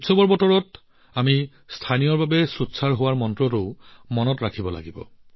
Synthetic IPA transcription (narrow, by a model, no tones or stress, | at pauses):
tsɔbɔɹbɔtɔɹɔt | ami | stʰanijɔɹbabɛsutsaɹɦowaɹmɔntɹɔtoʊmɔnɔtɹakʰibɔla̰ɡibɔ̰